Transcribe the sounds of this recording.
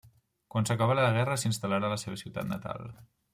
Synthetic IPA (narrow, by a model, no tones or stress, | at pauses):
kwansəkaβaɾaəɣ̞ɛrəsinst̪əlaɾaləseβəsiwt̪a̰t̪nət̪a̰lˠ